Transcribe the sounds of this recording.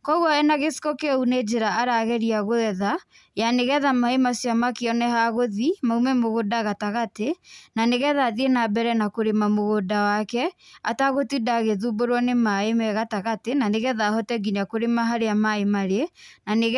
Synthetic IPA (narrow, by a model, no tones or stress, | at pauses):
kɔɣwɔɛnaɣesi̥kɔkeuned͡ʒeɾaaɾaɣɛɾiaɣoɛða | janeɣɛðamaemasjamakeɔnɛhaɣoðimaumɛmoɣodaɣataɣatenaneɣɛðaðienabɛɾɛnakoɾemamoɣodawakɛa̰taɣotidaɣeðuboɾwɔnemaemɛɣataɣatenaneɣɛðahɔtɛɡinakoɾemaɦaɾeamaemaɾenaneɣ